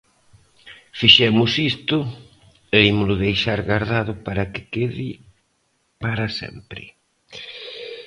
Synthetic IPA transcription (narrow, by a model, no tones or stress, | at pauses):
fiʃɛmʊsist̪ʊ | eimʊlʊðejʃaɾɣaɾðaðʊpaɾakɪ̥keði | paɾasɛ̰mpɾɪ̰